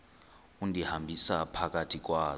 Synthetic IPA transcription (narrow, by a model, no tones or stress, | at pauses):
undʱihambʱisapʰakatʰik̬ʼwaː